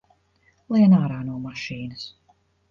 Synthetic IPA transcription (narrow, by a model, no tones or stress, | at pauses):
lˠiɛnaːɾaːnuɔmaʃiːnɨs